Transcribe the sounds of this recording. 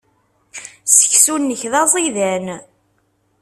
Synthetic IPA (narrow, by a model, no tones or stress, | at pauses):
sə̥çsunːəçðɑzˤiðæn